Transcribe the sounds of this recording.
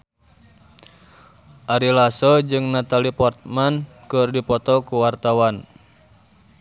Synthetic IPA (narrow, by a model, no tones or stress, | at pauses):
ʔaɾilasɔd͡ʒɨŋnat̪alipɔrt̪̚man | kɨrdipɔt̪ɔkuwart̪awan